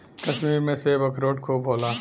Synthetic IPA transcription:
kɐʃmiːɾmẽsebɐkʰɾoːʈkʰobʱoːlaː

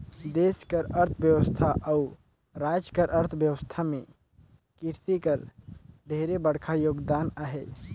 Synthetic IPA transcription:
d̪eskəɾəɾt̪ʰbjəwəst̪ʰaʔau | ɾad͡ʒkəɾʔəɾt̪ʰbjəwəst̪ʰamẽ | kiɾt̪ikəɾɖʱeɾebəɽkʰajoːɡd̪anəɦɛ

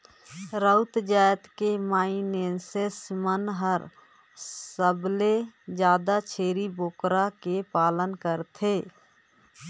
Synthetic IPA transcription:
ɾəʊt̪d͡ʒaːjt̪kemaːineːnsesmənɦəɾ | səbled͡ʒjaːd̪at͡ʃʰeːɾiboːkɾakepaːlənkəɾt̪ʰeː

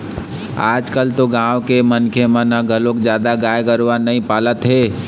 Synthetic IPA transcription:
a̰ːd͡ʒkəlt̪oɡãwkemənkʰemənəɡʱəlokd͡ʒaːd̪aɡajɡəɾʋanəĩpalət̪ɦe

